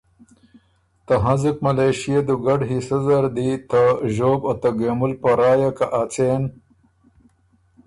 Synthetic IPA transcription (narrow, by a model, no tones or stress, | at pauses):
t̪ɐɦɐzikmɐlejɕijed̪uɡɐɖɦisɐzɐɾd̪it̪ɐʒoːbot̪ɐɡeːmulpɐɾaːjakaʔat͡seːn